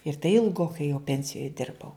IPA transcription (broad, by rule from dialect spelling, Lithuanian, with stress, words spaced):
ɪr tɐɪ ɪlˠˈɡoːkɐɪ jɛʊ ˈpʲɛnʲsʲɪjoːj ˈdʲɪrbɐʊ